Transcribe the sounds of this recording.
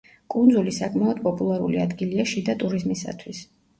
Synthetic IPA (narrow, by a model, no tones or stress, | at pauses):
kʼund̪zulisakʼmaɔd̪pʼɔpʼulˠaɾṵliad̪ɡiliaʃid̪at̪ʼuɾizmisa̰t̪ʰwis